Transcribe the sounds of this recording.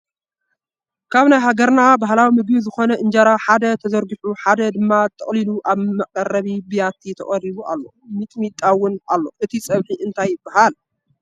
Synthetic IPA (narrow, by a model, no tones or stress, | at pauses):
kʰaβnajɦaɡɐɾnabahlawimɨɡbizɨxo̞nɐʔɨnd͡ʒaɾaħad̪ɐt̪ʰɐzɐɾɡɨħuħad̪ɐd̪ɨmːat̪ʰːɐχʼliluʔaβmɐkʼɐrɐβibijat̪ʰːit̪ʰɐ̰χʼɐɾiβua̰lːo̞mɨt̪ʼmit̪ʼːawʊnalːo̞ʔɨt̪ʰisʼɐβħiʔɨnt̪ʰajːɪbːahal